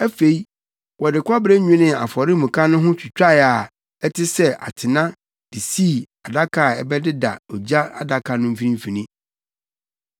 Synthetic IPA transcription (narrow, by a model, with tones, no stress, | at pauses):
æ˦fe˨i˦ | wɔ˨dɪ˨kʷʰɔ˦bɾɛ˦ɲᶣũ˦nɪ̃˦a̰˨fɔ˨ɾɪ˦mũ˨kʰa˦nʊ̃˦ɦʊ̃˦t͡ɕʰᶣi˨t͡ɕᶣa˦˨a˨ | ɛ˦tʰɪ˦sɛ˦ʔa̰˨tʰɪ˨nã˦ | d̥i˨siː˦˨a˨da˦kʰa˨ɛ˨bɛ˦dɪ˦da̰˨ɔ˨d͡ʑa˦a˦da˨kʰa˨nʊ̃˦m̩˦fi˦ĩ˦m̩˦fi˨nĩ˦